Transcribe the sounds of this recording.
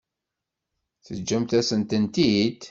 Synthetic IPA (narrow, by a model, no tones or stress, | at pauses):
θəd͡ʒːæmt̪æsənt̪ənt̪id̪